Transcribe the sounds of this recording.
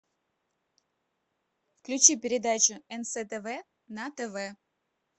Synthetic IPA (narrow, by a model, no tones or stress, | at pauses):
fklʲut͡ɕipʲɪɾʲɪd̪at͡ɕʊɛnsɛt̪ɛvɛ | nat̪ɛvɛ